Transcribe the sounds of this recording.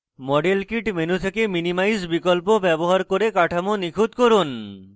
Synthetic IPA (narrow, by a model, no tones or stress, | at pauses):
mɔɖelkiʈmenut̪ʰekeminimajd͡ʑbikolpobɛboɦaɾkoɾekaʈʰamonikʰut̪koɾun